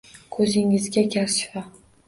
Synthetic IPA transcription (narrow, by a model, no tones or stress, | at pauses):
kʰɵzɪŋɪzɡʲakʲaɾʃfa